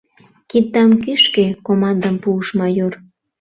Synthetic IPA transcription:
kid̪̚ːɑmkyʃkekomɑnd̪əmpuːʃmɑjor

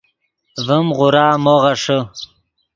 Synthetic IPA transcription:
vəmʁʊɾɑːmoʁaʂə

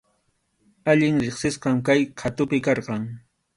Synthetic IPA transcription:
aʎɪŋɾeχsɪsqɑmkajkʰat̪ʊpɪkɑɾqɑŋ

